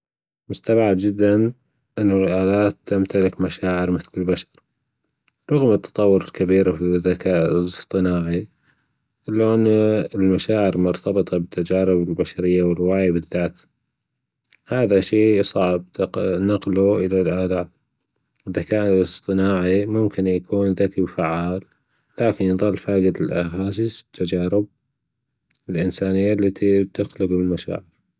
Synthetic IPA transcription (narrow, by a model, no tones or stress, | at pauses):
mʊst̪abʕad̪d͡ʒɪd̪ːan | ʔɪnːʊlʔaːlaːt̪ːamt̪alɪkmaʃaːʕɪɾmɪθlɪlbaʃɑ̥ɾ | ɾˤɑɣmət̪ːɑ̥t̪ˤɑwːʊɾɪlkabiːɾafiðːakaːʔɨsˤt̪ˤɨnaːʕi | ʔɪlːoʔɪnːaɪlmaʃaːʕɪɾmʊɾt̪ɑbɨt̪ˤɑbɪt̪ʰːad͡ʒaːɾɪbɪlbaʃaɾɪjːawɪrˤwaːjabɪðːaːt̪ | haːðaʃeːjsˤɑʕb̚t̪naqluʔɪlalʔaːd̪aːl | ʔɪðakaːʔnlsˤt̪ˤɨnaːʕimʊmkɪnjakʰuːnðakiwfaʕaːlː | aːkɪnjðˤɑlːfaːɡɪd̪ɪlʔaɦaːs̬ɪst̪ʰːad͡ʒaːɾɪb̚ | ɪlʔɪnsaːnɪjːalːat̪ʰib̚t̪ɪxlɪbɪlmaʃa̰ːʕɪɾ